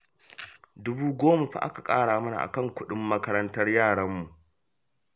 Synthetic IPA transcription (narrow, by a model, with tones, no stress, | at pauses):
dʊ˦buː˦ɡʷoː˦ma˨ɸa̰˨ʔa̰˦ka˨kʼaː˦ɽaː˨mɐ˦na̰˨ʔa̰˨kɐ˦˨ŋkʷʊ˦ɗɪ˦mːɐ˦kɐ˦ɾɐ˦ntɐ˦rjaː˦˨ɽɐ˦mːu˨ʔ